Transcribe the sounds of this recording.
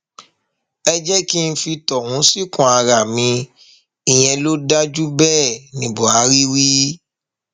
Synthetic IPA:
ɛ˧d͡ʒɛ˦ki˦n̩˦fi˧tɔ˨wũ˨˦si˦˨kũ˨a˨ɾa˨mĩ˧ | i˨j̃ɛ̃˧lo˦da˦d͡ʒu˦bɛː˦˨nĩ˨bo˨a˨˦ɾi˦wi˦

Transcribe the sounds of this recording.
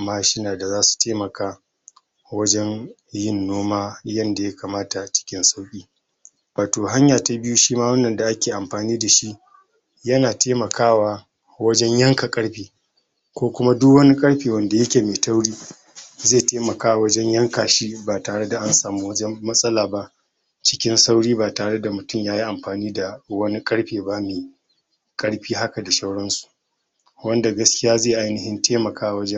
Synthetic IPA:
mːaː˦ʃɪ˦naː˨da˨zaː˦su̥˨tʰeː˦mɐ˨kʰaː˦ | wɐ˦d͡ʒɛ˦n | jɪ˦˨nːoː˦maː˦jɐ˦nda˨ja˦kaː˨maː˦ta˨t͡ʃɪ̥˦kʲɪ˦nsa˦wkʲʼiː˦ | waː˨toː˨ɦa˦ɲjaː˨ta˦bɪ˦ju˦ʃiː˦maː˦wɐ˦nːɐ˨nda˨ʔa˦kʲeː˨ʔa˨mɸaː˨niː˦da˨ʃi˦ʔ | jɐ˦naː˨tʰeː˦mɐ˨kʰaː˦waː˨ | wɐ˦d͡ʒɛ˦ɲjɐ˦ŋka˨kʼɐ˦ɽɸiː˨ | kʷoː˦kʷʊ˦ma˦dʊ˦kwɐ˦ni˦kʼɐ˦ɽɸiː˨wɐ˨nda˨jɐ˦kʲeː˨meː˨ta˦wɽiː˦ | zeː˦˨teː˦mɐ˨kaː˦wa˨wɐ˦d͡ʒɛ˦ɲjɐ˦ŋkaː˨ʃi˦baː˨taː˨ɽe˦da˨ʔa˦nsaː˨mu˦wɐ˦d͡ʒɛ˦mːɐ˦sʼɐ˦laː˨ba˦ʔ | t͡ʃɪ̥˦kʲɪ˦nsa˦wɽiː˦baː˨taː˨ɽe˦da˨mʊ˨tʊ˦mjaː˦ji˦ʔa˨mɸaː˨niː˦da˨wɐ˦ni˦kʼɐ˦ɽɸeː˨ba˦meː˨ | kʼɐ˦ɽɸiː˦ɦa˦ka˨da˨ʃɐ˦wɽɔ˦nsu̥˨ | wɐ˦nda˨ɡɐ˦skʲɪ˦jaː˦ze˦˨ʔa˦jnɪ˨hɪ˦ntʰeː˦mɐ˨kaː˦wa˨wɐ˦d͡ʒɛ˦

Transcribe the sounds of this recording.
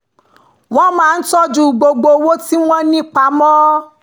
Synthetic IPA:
w̃ɔ̃˦mãː˨˦n̩˦sɔ˦d͡ʒu˨ɡ͡bo˧ɡ͡bo˧wo˦ti˦w̃ɔ̃˦nĩ˦k͡pa˨˦mɔ̃˦

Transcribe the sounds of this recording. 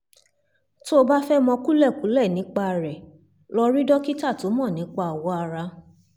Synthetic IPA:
to˦˧ba˦fɛ˦mɔ̃˧ku˦lɛ˦˨ku˨˦lɛ˦˨nĩ˨˦k͡pa˦˧˨ɾɛ˨ | lɔ˧ɾi˦dɔ˦ki˦ta˦˨to˨˦mɔ̃˦˨nĩ˨˦k͡pa˧˨wɔ˨˦a˧ɾa˧

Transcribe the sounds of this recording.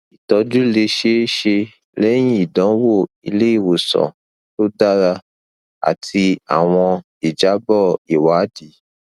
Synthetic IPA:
i˨tɔ˧˦d͡ʒu˦le˧ʃe˦ʃe˧ | lɛ˦j̃ĩ˦i˦˨dɔ̃˨˦wo˦˨ | i˧le˦i˦˨wo˨sɔ̰̃˨ | to˦da˦ɾa˧ | a̰˨tʰi˧a̰˨w̃ɔ̃˧ | i˨d͡ʒa˨˦bɔ˦˨i˨wa˨˦di˨˦

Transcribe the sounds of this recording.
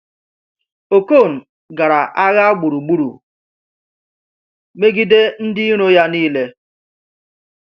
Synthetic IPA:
o˨ko˦˨n̩˨ | ɡa˨ɾa˨ʔa˦ɣa˦a˦ɡ͡bu˨ɾu˨ɡ͡bu˦ɾṵ˨ | me˦ɡi˦de˦n̩˦dɪ˦ɾo˦ja˦niː˦le˦

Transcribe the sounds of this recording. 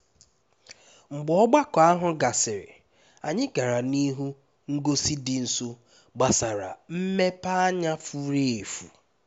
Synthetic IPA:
ŋ͡m̩˨ɡ͡bɔ˦ɡ͡ba˦kɔ˨a˦ɦʊ˦ɡa˨sɪ˨ɾɪ̰˨ | a˨ɲɪ˦ka˨ɾa˨ni˦ɦu˦ | ŋ̩˦ɡo˦si˦dɪ˨n̩˨so˦ | ɡ͡ba˨sa˨ɾa̰˨m̩˦me˦pa˦a˦ɲa˦fu˦ɾe˦e˨fu˨

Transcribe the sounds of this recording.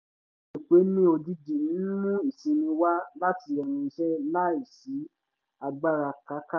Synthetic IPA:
nĩ˨k͡pe˨˦nĩ˦o˧d͡ʒi˧d͡ʒi˨ñ̩˨˦mũ˦i˨sĩ˧nĩ˧wa˦la˦ti˧ɛ˨ñĩ˧ʃɛ˦la˦i˨si˨˦ | a˧ɡ͡ba˦ɾa˧ka˨˦ka˦

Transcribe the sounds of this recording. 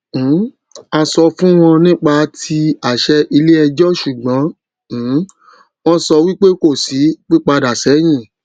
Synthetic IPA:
a˧sɔ˧fũ˦w̃ɔ̃˧nĩ˦k͡pa˧tʰi˧a˦˨ʃɛ˧ʔi˧le˦ɛ˧d͡ʒɔ˦ʃu˨ɡ͡bɔ̃˨˦˨ | w̃ɔ̃˦sɔ˧wi˦k͡pe˦ko˦˨si˨˦k͡pi˦k͡pa˧da˨sɛ˨˦j̃ĩ˦˨

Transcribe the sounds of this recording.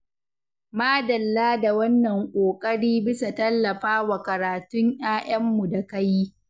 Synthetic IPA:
maː˦dɐ˨lːaː˦da˨wɐ˦nːɐ˨ŋkʷʼoː˨kʼɐ˦ɽiː˦bɪ˦sa˨tɐ˦lːɐ˨ɸaː˦wa˨kɐ˨ɾaː˨tʊ˦ɲʔj̰aː˦ʔɐ˦mːu˨da˨kɐ˦jiː˦

